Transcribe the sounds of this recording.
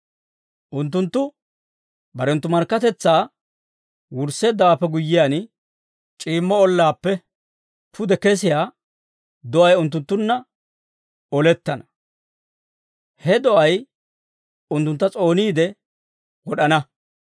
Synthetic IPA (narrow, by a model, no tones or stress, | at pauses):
ʔʊnt̪̬ːʊnt̪ːʊ | bɐɾɛnt̪ːʊmɐɾkːɐt̪ɛt͡sːaː | wʊɾseːd̪ːɐwaːpːɛɡʊjːɪjaːn | t͡ʃʼiːmːɔɔlːaːpːɛ | t̪ʰʊd̪ɛkes̬ɪjaː | d̪ɔʔɐjʊnt̪̬ːʊnt̪ːʊnːɐ | ɔlɛt̪ːɐnɐ | hɛd̪ɔʔɐj | ʊnt̪ːʊnt̪ːɐt͡sʼo̞ːniːd̪ɛ | wɔɗɐnɐ